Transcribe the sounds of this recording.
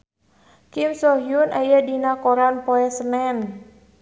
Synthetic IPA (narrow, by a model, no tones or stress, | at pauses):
kimsɔɦjunʔajadinakɔɾanpɔɛsənɛn